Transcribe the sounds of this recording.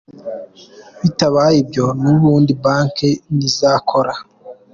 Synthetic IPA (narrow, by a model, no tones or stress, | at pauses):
βitaβajibjonuβuːndibaːŋkenizakʰoɾa